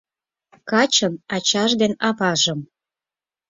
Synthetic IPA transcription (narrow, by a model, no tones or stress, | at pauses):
kɑt͡ɕə̆nɑt͡ɕɑʒd̪enɑβɑʒə̆m